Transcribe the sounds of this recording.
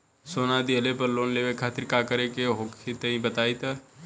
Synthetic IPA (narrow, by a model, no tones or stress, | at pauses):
soːnad̪iəlepəɾloːnleːʋekʰaːt̪ɪɾkaːkəɾekeɦoːkʰet̪ɐĩbət̪aːit̪aː